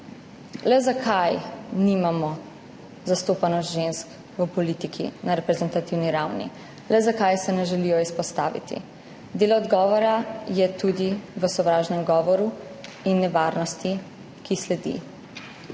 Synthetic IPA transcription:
lɛzakʰajnimamɔ | zast̪oːpanɔsʒensk | ʋəpɔlit̪ikʰḭnaɾɛpɾɛzɛnt̪at̪iwniɾawnḭ | lɛzakajsɛnɛʒɛlijɔispɔst̪aːʋḭt̪ḭ | d̪eːlɔːd̪ɡɔːʋɔɾajɛt̪ud̪iʋəsɔʋɾaːʒnɛmɡɔːʋɔɾu | inːɛʋaːɾnɔst̪i | kislɛd̪ḭ

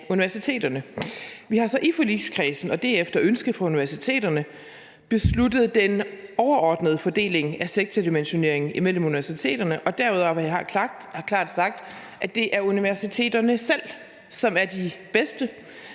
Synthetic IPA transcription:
uniʋæɐsit͡sʰe̝̰ːd̥ɐnəʋihɑ̈sɒ̽ʔifɒlḭːskʰʁɛːsn̩ɒ̽d̥æɐ̰efd̥ɐʔønsɡ̥əfʁɑ̈uniʋæɐsit͡sʰe̝̰ːd̥ɐnə | b̥e̝sludð̞̩ˠd̥enɒʊɐʔɒːd̥nəð̞ˠfɒ̽d̥e̝̰ːle̝ŋæseɡ̥̚t͡sʰæd̥imenɕo̝ne̝ɐ̰e̝ŋn̩imel̰muniʋæɐsit͡sʰe̝̰ːd̥ɐnəʔɒ̽d̥æɐuð̞ˠɐɒɑ | hkʰlɑ̰̈ːd̥sɑ̈ɡ̥̚d̥ | ʔæd̥e̝ʔæɐuniʋæɐsit͡sʰe̝̰ːd̥ɐnəsel̰ | sɒ̽mæɐd̥ib̥esd̥ə

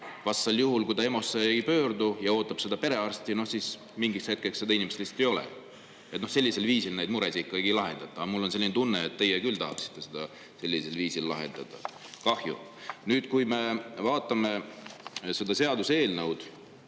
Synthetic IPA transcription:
vɑsːɑljuɦulkujd̪ɑe̞mo̞sːeejpø̞ːrd̪ujɑo̞ːt̪ːˑɑbse̞d̪̥ɑpe̞ɾe̞ɑrst̪ino̞hsiːs | miŋɡishe̞t̪̚keksːed̪ɑinimeselist̪ejo̞lɛ̰ | et̪nose̞lʲːiselviːsilnejd̪muɾesikːˑɑɡilɑɦe̞nd̪̥ɑt̪ːˑɑɑmulːoselːint̪unːeːt̪ːe̞jekylt̪ɑhɑksi̥t̪ˑːe̞sed̪̥ɑ | se̞lʲːise̞lviːsilːɑ̰ɦe̞̰nd̪̥ɑd̪̥ɑ̰ | kɑhjṵ | nyːd̪̥kujme̞vɑːt̪ːˑɑme̞ | se̞d̪ɑse̞ɑd̪useːlnɤwd̪̥

